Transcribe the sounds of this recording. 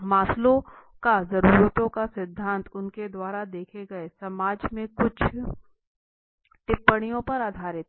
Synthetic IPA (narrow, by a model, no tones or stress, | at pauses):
maːslõkazɐɾuːɾət̪õkasɪd̪ʱːãːnt̪ʊnked̪waːɾad̪eːkʰeɡɐesɐmaːd͡ʒmẽkʊt͡ʃʰ | t̪ɪpːəɽ̃ijõpɐɾaːd̪ʱaːɾɪt̪